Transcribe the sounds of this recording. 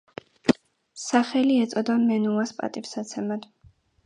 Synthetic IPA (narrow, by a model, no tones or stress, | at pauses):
saχɛliɛt̪sʼɔd̪amɛnuaspʼa̰t̪ʼipsat̪sʰɛmad̪̥